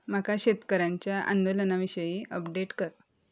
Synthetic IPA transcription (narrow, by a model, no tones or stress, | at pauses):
m̤akaɕet̪kəɾaɲt͡ɕjaʔa̰nd̪olənaʋiɕəjiːʔəpɖeʈkəɾ